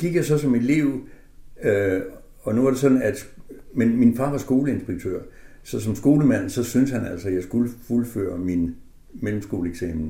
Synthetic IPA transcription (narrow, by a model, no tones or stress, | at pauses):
ɡ̥iɡ̥jasɒ̽sɒ̽me̝d̥liʊ̰ | ø | ɒ̽nuʋɑ̈ɾ̥e̝sɒ̽d̥n̩æd̥ | menminfɑ̈ːʋɑ̈sɡ̥o̝ːləe̝nsb̥eɡ̥̚t͡sʰøɐ̰sɒ̽sɒ̽msɡ̥o̝ːləmæn̰sɒ̽synshænæl̰sɒjɑ̈ɪsɡ̥uləfulfø̰ːɐmin | melm̩sɡ̥o̝̰ːləeɡ̥sɛ̰ːml̩